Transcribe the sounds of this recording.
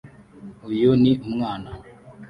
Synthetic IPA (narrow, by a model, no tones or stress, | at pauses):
ujoniumŋaːna